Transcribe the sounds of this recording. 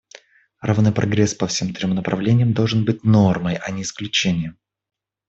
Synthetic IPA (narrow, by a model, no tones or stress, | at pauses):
ravnɨjpɾʔɐ̰ɡɾʲespəfsʲemt̪ɾʲomnəpɾʔɐvlʲenʲɪjəmd̪olˠʐɨnbɨt̚ʲno̞rməjɐnʲɪɪsklʲʉt͡ɕenʲɪjəm